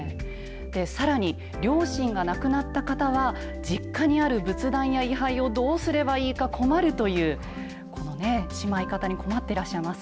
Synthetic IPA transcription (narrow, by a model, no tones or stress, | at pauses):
d̪̥e̞saɾaɲ̟i | ɾʲo̞ːɕĩŋɡanakɯ̟nat̪ːakat̪aβ̞a | d͡ʑikːaɲ̟iaɾɯ̟bɯ̟t͡sɨd̪ãɰ̃jaiɦaio̞d̪o̞ːsɨɾe̞baiːkakʰo̞maɾɯ̟t̪o̞jɯ̟ː | ko̞no̞ne̞ɕimaikat̪aɲ̟iko̞mat̪ːe̞ɾaɕːaimasɨ̥